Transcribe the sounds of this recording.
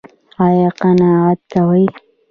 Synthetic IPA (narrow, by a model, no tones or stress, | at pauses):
ɑjɑqanɑat̪̚kawəj